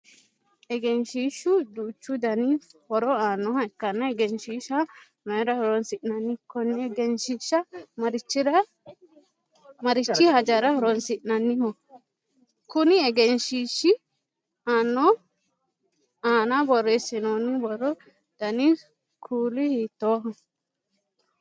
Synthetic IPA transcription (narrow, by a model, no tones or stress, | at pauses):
ɛɡɛnʃiːʃʊd̪ut͡ʃːʊd̪ɐnɪhɔɾɔaːnːɔhɐɛkːɐnːɐɛɡɛnʃiːʃɐ | mɛɾɐhɔɾɔnsɪʔnɐnːɪkɔnːɪɛɡɛnʃiʃːɐmɐɾɪt͡ʃːɪɾɐ | mɐɾɪt͡ʃːɪhɐd͡ʒɐɾɐhɔɾɔnsɪʔnɐnːɪhɔ | kʊnɪɛɡɛnʃiːʃɪ | aːnːɔ | aːnabɔrːesɪnoːnɪbɔɾɔ | d̪̥ɐnɪ | kʰuːlɪhiːt̪ːoːɦɔ